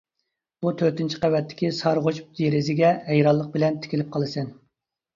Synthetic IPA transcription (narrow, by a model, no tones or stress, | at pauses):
b̥ut̪ʰøɾt̪ɪnt͡ʃʰi̥qæwɛt̪ʰːɪ̥kʲisɑɾʁot͡ʃd̪eɾɪzɪɡʲɛɛjɾɑlˠːəq̚bɪlɛnt̪ʰɪ̥kʲʰilɪp̚qʰɑlˠɨsɛn